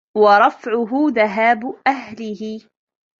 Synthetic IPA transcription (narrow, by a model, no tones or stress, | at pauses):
wɑɾˤɑfʕʊɦʊðaɦaːbʊʔaɦhlɪhɪ